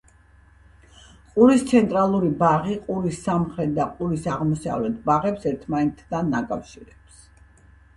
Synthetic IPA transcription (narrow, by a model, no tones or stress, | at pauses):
qʼuɾist̪sʰɛnt̪ʼɾalˠuɾibaʁiqʼuɾisːamχɾɛt̪̚d̪aqʼuɾisaʁmɔsa̰vlɛt̪ʰbaʁɛpsɛɾt̪ʰmanɛt̪ʰd̪anːakʼafʃiɾɛps